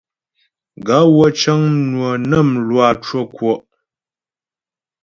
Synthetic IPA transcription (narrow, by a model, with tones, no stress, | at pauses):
ɡa˨˦wɔ˦t͡ʃə˦ŋnwə˨nə˦˨mlwa˨t͡ʃwo˦kwɔ˦ʔ